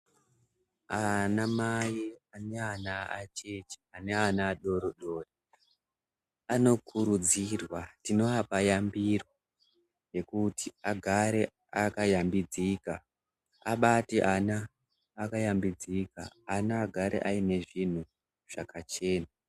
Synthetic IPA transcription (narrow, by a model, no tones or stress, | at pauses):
anamajiane̞anaa̰t͡ʃet͡ʃi̥aneanaːɗo̞ɾoɗo̞ːre | ano̞kuɾud͡zirwatino̞apajambiro | je̞kutiaɡʱaɾe̞ | akajambid͡zika | aɓateʔanaː | kajambid͡zika̰anaːɡʱaɾʔḛʔaine̞ʐin̤u | ʐ̥akat͡ʃe̞ːna